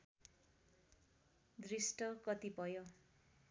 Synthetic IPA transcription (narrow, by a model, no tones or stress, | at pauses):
d̪risʈʌkʌt̪ipʌjo